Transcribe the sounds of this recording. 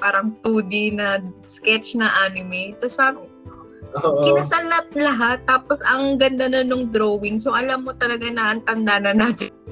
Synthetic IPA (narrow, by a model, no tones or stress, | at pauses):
paːɾɐŋp̪uːd̪ɪnɐskɛt͡ʃnɐʔaːnɪmɛt̪ɐsa | kɪnasɐlap̚lɐɦat̪ːaːpo̞sɐŋɡɐnd̪anɐnoŋd̪ɾowɪnsoʔɐlamːo̞t̪ɐlɐɡanɐʔɐnt̪ɐnd̪aːnɐnaːt̪ɪn